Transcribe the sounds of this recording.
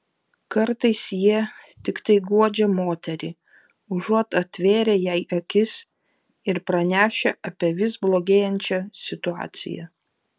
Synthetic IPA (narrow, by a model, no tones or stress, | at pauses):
kɐɾt̪ɐɪsjiɛt̪ʲɪkt̪ɐɪɡuɔd͡ʒʲɛmoːt̪ʲɛɾʲɪː | ʊʒuɔt̪ɐt̪ʲʋʲeːɾʲɛjɛɪʔɐkʲɪs | ɪɾpɾɐnʲæːʃʲɛʔɐpʲiɛʋʲɪsblˠoːɡʲeːjɛnʲt͡ʃʲɛsʲɪt̪ʊɑ̰ːt̪sʲɪ̰jɛ̰